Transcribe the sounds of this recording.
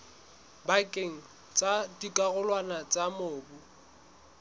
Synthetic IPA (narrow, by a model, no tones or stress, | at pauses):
bakʼeŋ̩ | t͡sʼadikʼaɣʊlwanat͡sʼamʊːbu